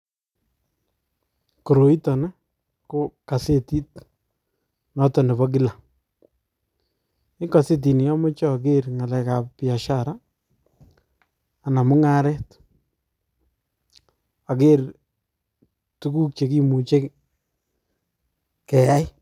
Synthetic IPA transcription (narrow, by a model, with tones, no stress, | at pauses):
ko˨ɾo˨i˦tɔ˨na˦ | ko˦ka˨se˦ti˦t̚ | nɔ˦tɔ˨ne˨βɔ˦k̬i˦la˨ | ɪ˦ka˨se˦t̬i˨n˨jɔ˦mʊ˦t͡ʃɔ˦˨k̬e˦rŋa˨la˨ka˨ppja˨ʃaɾa˦˨ | na˨mʊ˦ŋa˦ɾɛ˦t | a˨ke˦r | tu˦ku˦k̚t͡ʃe˨ki˦mu˨t͡ʃe˦k | kɛ˨ja˦j